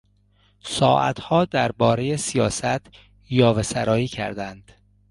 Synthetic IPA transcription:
sɒːʔæ̰t̪ʰhɒːd̪æɾbɒːɾejesijɒːsæt̪ʰ | jɒːvesæɾɒːiːcʰæ̰ɾd̪ænd̪̥

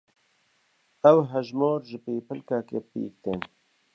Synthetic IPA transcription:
ɛwɦɛʒmoːɾʒɨpeːpʰəlkaːkeːpḭːk̚t̪eːn

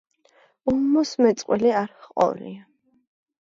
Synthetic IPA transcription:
ummɔsmɛt̪sʼqʼwɛliaɾχqʼɔ̰vlḭa

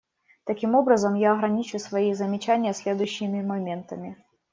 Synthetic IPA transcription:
t̪ɐkʲimo̞bɾəzəmjaɐɣɾɐnʲit͡ɕʊsvɐizəmʲɪt͡ɕænʲɪjəsʲlʲed̪ʊɕːɪmʲɪmɐmʲent̪əmʲɪ

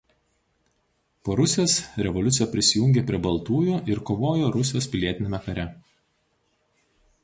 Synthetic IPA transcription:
poːɾʊsʲɪjoːsɾʲɛʋɔlʲʊt̪ʲɪjɛpʲɾʲɪsʲɪjʊŋʲɡʲeːpʲɾʲiɛbɐlˠt̪uːjʊɪɾkoːʋoːjoːɾʊsʲɪjoːspʲɪlʲiɛt̪ʲɪnʲeːmʲɛkɐɾʲɛ

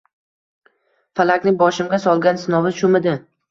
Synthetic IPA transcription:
falakʲnɪŋbɒʃɪmɡʲasɒlˠɡʲansɪnɒvɪʃʊmɪd̪ɪ

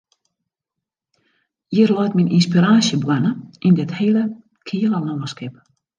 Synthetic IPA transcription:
jirlɔjtmininspiɾaːsjəbwɛnəindɪthelə | kʰiːələnɔwəskɪp̚

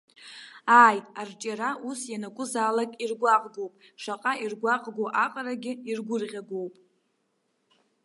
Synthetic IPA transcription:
aːjtʼart͡ʃʼaɾausjanakʷʼʊzaːlakʼirɡʷaqʼɡowpʼʂaqʼairɡʷaqʼɡʷoʔaqʼaraɡʲɪirɡʷʊrqʲʼaɡowpʼ

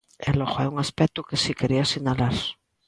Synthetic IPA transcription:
ḛloɣoɛuŋaspɛkt̪ukesikeɾiasiɲalaɾ

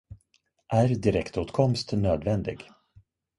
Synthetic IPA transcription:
ʔæɾd̪ɪɾɛkt̪uːt̪kʰɔmst̪nøːd̪vɛnd̪ɪ̰ɡ

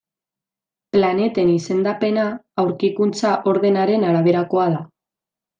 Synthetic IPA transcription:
plane̞t̪e̞nise̞nd̪ape̞naːwɾkikunt͡saʔo̞ɾðe̞naɾe̞naɾaβ̞e̞ɾako̞aða

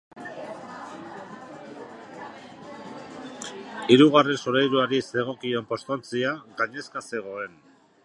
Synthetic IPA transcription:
iɾuɣare̞nsoɾajɾuaɾise̞ɣ̞o̞kio̞mpo̞st̪ont͡siaɣaɲe̞skase̞ɣ̞o̞e̞n

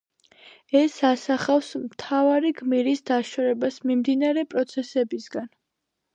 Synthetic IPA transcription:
ɛsasaχafsmt̪ʰavaɾiɡmiɾisd̪aʃɔɾɛbasmimd̪inaɾɛpʼɾɔt̪sʰɛsɛbisɡan

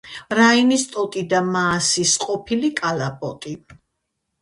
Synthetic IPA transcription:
ɾainist̪ʼɔt̪ʼid̪amaːsisqʼɔpʰilikʼalapʼɔt̪ʼi

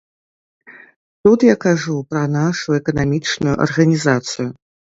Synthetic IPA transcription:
t̪ut̪jakaʐupɾɐnaʂujʊɛkɐnamʲit͡ʂnujʊʔɐ̰rɣɐnʲizat̪sɨjʊ

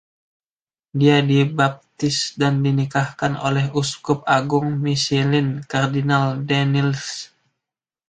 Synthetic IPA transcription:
diadibap̚t̪ɪsdandinikahkano̰lɛɦuskʊp̚aɡʊŋmisilɪnkardinaldɛnils

